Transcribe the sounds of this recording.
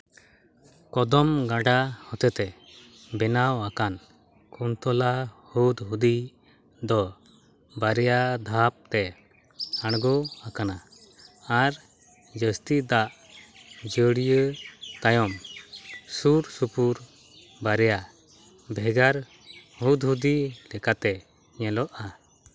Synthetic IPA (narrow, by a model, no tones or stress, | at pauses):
kɔd̪ɔmɡaɖahɔt̪ət̪ɛ | bɛnawakan | kunt̪ɔlahud̪ɦud̪i | d̪ɔ | baɾɛjad̪ʱap̚t̪ɛ | aɽɡɔakana | aɾ | d͡ʒəst̪id̪aʔ | d͡ʒəɽijət̪ajɔm | suɾsupuɾ | baɾɛja | bʱɛɡaɾ | hud̪ɦud̪ilɛkat̪ɛ | ɲɛlɔʔa